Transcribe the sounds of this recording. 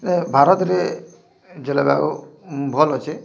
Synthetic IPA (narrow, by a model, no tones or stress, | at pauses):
nebʱaɾɔt̪ɾe | d͡ʒelaba̰ubʱɔlɔt͡ʃʰe